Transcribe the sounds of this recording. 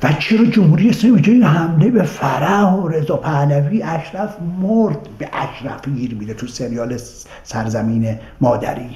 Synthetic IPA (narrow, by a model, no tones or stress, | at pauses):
væt͡ʃʰe̞ɾɒːd͡ʒomhuːɾijeslɒːmibed͡ʒeinɦæmlebefæɾæhoɾe̞zɒːpʰælæviːʔæʃɾæfmoɾd̪̥beʔæʃɾæ̰fɡiːɾmid̪et̪ʰuseɾijɒːle | sæɾzæmiːne | mɒːd̪æ̰ɾiː